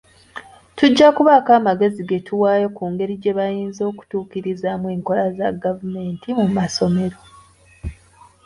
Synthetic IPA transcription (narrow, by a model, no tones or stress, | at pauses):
tuɟːakuβakaːmaɡe̞ziɡe̞tʰuwaːjokuːŋɡe̞ɾiɟe̞βajiːnzo̞ːku̥tuːkiɾizaːmwe̞ːŋko̞lazaɡavume̞ːntimumaso̞me̞ɾo̞